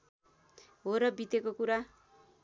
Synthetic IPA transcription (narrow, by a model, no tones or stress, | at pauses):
ɦoɾʌbit̪ekokuɾa